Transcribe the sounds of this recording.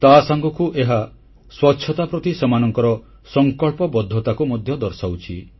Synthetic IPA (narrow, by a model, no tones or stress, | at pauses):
t̪asaŋɡɔkuʔeɦa | swɔtːʃʰɔt̪apɾɔt̪isemanɔŋkɔɾɔ | sɔŋkɔɭpɔbɔd̪ʱːɔt̪akumɔd̪ʱjɔd̪ɔɾsawt͡ʃʰi